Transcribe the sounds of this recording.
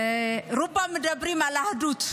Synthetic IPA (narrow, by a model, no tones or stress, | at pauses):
rupamidabɾimalahdut͡su̥